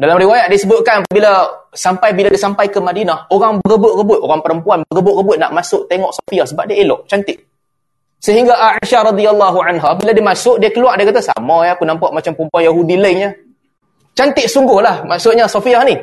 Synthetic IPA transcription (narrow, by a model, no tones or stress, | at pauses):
dalamɾiwajat̪̚diasəbʊt̪̚kanapaʔbilasampajbiladiasampajkəmadinahoɾaŋbəɡəbʊʔrəbʊt̪oɾaŋpəɾəmpuanbəɡəbʊʔrəbʊt̪̚na̰ʔmasʊʔt̪eŋɔʔsofiahsəba̰p̚diaelɔʔt͡ʃant̪ɪʔ̚ | səɦiŋɡaʔaiʃaɾɑd̪ialːaɦuʕanɦabiladimasʊʔdiakəluaʔdiakat̪asa̰majaakunampaʔ̚mat͡ʃampəɾəmpuanjaɦudiləɪŋɲa | t͡ʃant̪ɪʔsuŋɡʊhlahmaʔsʊʔ̪̚ɲasofiahni